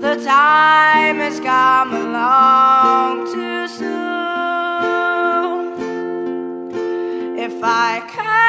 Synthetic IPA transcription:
ðətʰaɪɪ̃mɪzkʰʌ̃məlɔ | ŋtʰɨsu | n | ɪfaɪkʰæ

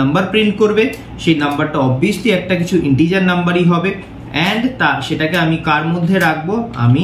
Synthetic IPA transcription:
ɐmbɐɾpɾiɳʈ̚koɾbe | ʃejnɐmbaɾʈaɔbiosliɛk̚ʈakit͡ɕʰuʔiɳʈid͡ʑaɾnɐmbaɾiɦɔbe | ɛɳɖt̪aʃeʈakeamikaɾmod̪ʱːeɾak̚ʰboa̰mi

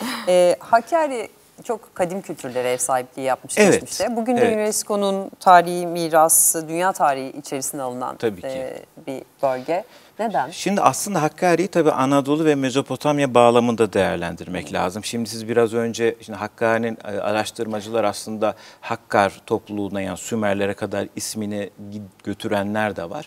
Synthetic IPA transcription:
ɛːhacʰːaːɾi | t͡ʃʰo̞kkʰːad̪imcʰylʲt̪ʰyɾlʲe̞ɾɛjɛsaːɦip̚lʲijijap̚mɯʃevɛmiʃt̪ɛbuɟynynvɛɾsi̥kʰo̞nunt̪ʰaːɾihimiːɾasɯd̪ynjaːt̪ʰaːɾihiʔit͡ʃʰe̞ɾisinɛalˠɯna̰nt̪ʰabiːcʰibib̥ø̞lʲɟɛ | ned̪ænʃimd̪iʔaslˠɯnd̪aɦakːaːɾijit̪ʰabiːʔanad̪o̞lˠuvɛme̞zo̞pʰo̞t̪ʰamjabaːlˠamɯnd̪ad̪ejæɾlʲænd̪iɾmɛclʲa̰ːzɯmʃimd̪isizbiɾazø̞nd͡ʒɛʃind̪iɦakːaːɾininɯːa̰ɾaʃt̪ʰɯɾmad͡ʒɯlˠaɾaslˠɯnd̪ahakːaɾ̥t̪ʰo̞plˠuːnajanisymæɾlʲe̞ɾɛkʰad̪aɾisminɛɟ̥ø̞t̪ʰyɾænlʲæɾd̪ɛva̰ɾ̥

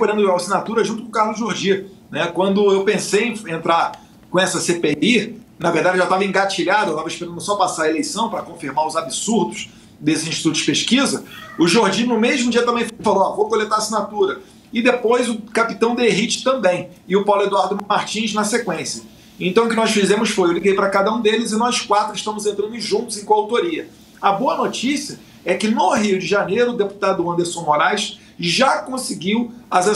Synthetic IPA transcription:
poɾɐ̃nd̪ʊeasinat̪uɾɐʒũt̪ʊkːkaɦlʊʒoɾd͡ʒiɐ | nɛkwɐ̃nd̪ʊewpẽsejẽfẽnt̪ɾaɾ | kõɛsɐsepei | nɐveɾd̪ad͡ʒɪʒat̪avɐẽɡat͡ʃiʎad̪ɐewt̪avɐeʃpeɾɐ̃nd̪ʊsɔpasaɾɐelejsɐ̃w̃pɾɐkõfiɾmaɾʊzabisuɾd̪ʊʃ | d̪esɪzĩʃt͡ʃit̪ut̪ʊ̥d͡ʒɪ̥peʃkizɐʊʒoɾd͡ʒĩnʊmeʒmʊd͡ʒiɐt̪ɐ̃mbẽj̃ffaloavokolet̪aɾasinat̪uɾɐ | ɪd̪epojzʊkapi̥t̪ɐ̃w̃d̪eɦit͡ʃɪ̥t̪ɐ̃mbẽj̃ | ɪʊpawlʊed̪uaɾd̪ʊaɾt͡ʃĩʃnɐsekwẽsjɐ | ẽt̪ɐ̃w̃ʊkɪnɔsfizẽmʊsfojewliɡejpɾɐkad̪ɐũd̪elɪzɪnɔskwat̪ɾʊɪʃt̪ɐ̃mʊzẽnt̪ɾɐ̃nʊʒũt̪ʊzẽj̃kõawt̪oɾiɐ | ɐboɐnot͡ʃisiɐ | ɛkɪnʊɦiʊd͡ʒɪʒanejɾʊːd̪epu̥t̪ad̪ʊɐ̃nd̪eɾsõmoɾajʃ | ʒakõsɪɡiwɐza

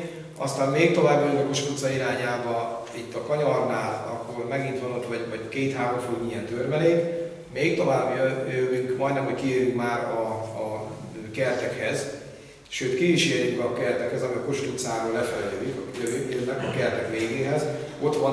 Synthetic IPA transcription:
ɒ̰st̪aːmmeːkt̪o̞vaːbːojøŋɡɒko̞ʃt̪ut̪sɒiɾaːɲaːbɒit̪ːɒkɒɲɒrnaːlɒkːo̞rmɛɡint̪ʋɒno̞t̪ʋɒɟvɒɟkeːt̪haːɾoɱfuːmijɛnt̪ørmɛleːt̪ | meːkt̪o̞vaːbjøjøvyŋkmɒjd̪nɛmɦo̞ɟkieːrjukmaːɾɒ | kɛrt̪ɛkhɛz | ʃøːt̪kiviʃeːrjykɒkɛrt̪ɛkhɛzɒmiɒkoʃt̪ut̪saːɾoːlɛfɛlɛjykɒkitjøvyŋønːɛkɒkɛrt̪ɛkʋeːɡeːɦɛz | o̞t̪ʋɒ

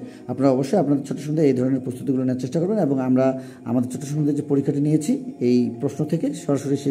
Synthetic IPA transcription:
apnaɾaɔboʃːojapnad̪eɾt͡ɕʰɔʈːoʃɔŋd̪eejd̪ʱɔɾoneɾpɾost̪ʰut̪iɡuloneaɾt͡ɕeʃʈakoɾbeneboŋamɾa | a̰mad̪eɾt͡ɕʰɔʈːoʃɔŋnd̪ʱeɾd͡ʑepoɾikʰːaʈiniet͡ɕʰiejpɾosnot̪ʰekeʃɔɾaʃoɾiʃe

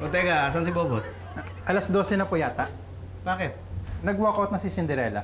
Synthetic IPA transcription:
ʔot̪ɛɡaas̬ɐns̬ɪboːbot̪̚ | ʔɐlɐsd̪o̞ːsɛnɐpojaːt̪ɐ | b̥aːkɪt̪̚nɐɡwoːkɐwt̪nɐsɪsɪnd̪ɛɾɛːlɐ̰

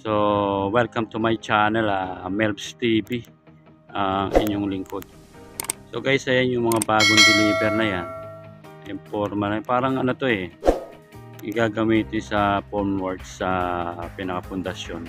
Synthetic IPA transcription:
so̞wɛlkɐmt̪umajt͡ʃaːnɛlɐmɛlbst̪iːbi | ʔɐŋʔɪ̰ɲːoŋlɪŋko̞d̪̚ | so̞kɐjsɐjanjʊŋmɐŋabaːɡoŋd̪ɪliːbɛɾnɐjanʔɛmpoɾmɐnɐpaːɾɐŋɐnot̪o̞ɛ | ɪɡaːɡɐmiːt̪ɪnsɐpoɹnwaɹd̪sɐpɪnɐkɐpʊnd̪ɐʃjon

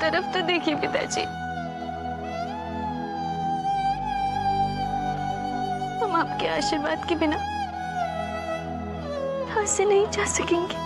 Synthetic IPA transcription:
t̪ɐɾəft̪od̪eːkʰiepɪt̪a̰d͡ʒḭː | hɐmaːp̚keaːʃɪɾbaːd̪kibɪna | aːsenɐɦĩt͡ʃaːsɐkẽːŋɡiː

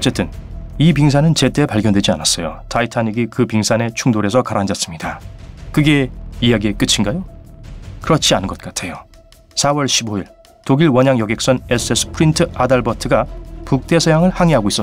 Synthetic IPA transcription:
ʌt͡ɕ͈e̞t͈ɯnip̬iŋs̬ʰanɯnt͡ɕe̞t͈e̞paɭɡjʌndwed͡ʑianas͈ʌjo̰tʰaitʰaɲiɡikɯpiŋsʰane̞t͡ɕʰuŋdoɾe̞sʰʌkaɾand͡ʑas͈ɯmɲidakɯɡe̞ijaɡie̞k͈ɯt͡ɕʰinɡajo | kɯɾʌt͡ɕʰianɯnɡʌt̚k͈atʰe̞jo | sʰawʌɭɕʰiboiɭ | toɡiɭwʌɲaŋjʌɡe̞k̚s͈ʌne̞s͈ɯes͈ʰɯ̥pʰɯɾintʰɯadʌɭbʌtʰɯɡapuk̚t͈e̞sʰʌjaŋɯɭhaŋeɦaɡois͈ʌ

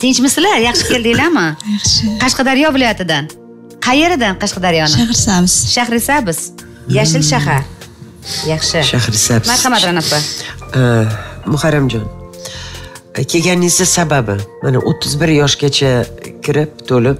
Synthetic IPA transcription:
t̪ɪnt͡ʃmɪslajɑχʃɪ̥kʲe̞ld̪ɪlamɪjɑχʃɪqʰɑʃqɑd̪aɾjɒvɪlˠɒjat̪ʰɪd̪an | qʰɑje̞ɾɪd̪anqʰɑʃqɑd̪aɾjɒnaahɾsamɪz̥ʃahɾɪsabɪz̥ | jaʃɪlʃaɦaɾ | jɑχʃɪʃahɾɪsabmaɾhɑmat̪ɾanafa | mʊhaɾamd͡ʒɒn | kʲʰe̞ɡʲanɪsɪsababɪmanaʔot̪ʰːɪzbɪɾjɒʃɡʲat͡ʃʰakʲʰɪɾɪp̚t̪ʰolɪp̚

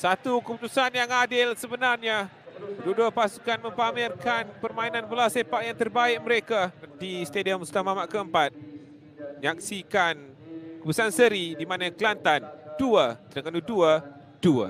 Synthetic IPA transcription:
sat̪ukəput̪usanjaŋadɪlsəbənarɲa | bududuəpasukanmə̃mpamɪrkanpərmainanbəlasepaʔjaŋt̪ərbaɪʔ̚məɾekadist̪ediəmust̪amamaʔkəəmpat̪̚ | məɲak̚sikan | kəpəsansəɾidimanaklant̪anduət̪əɾakanuduə | dua̰

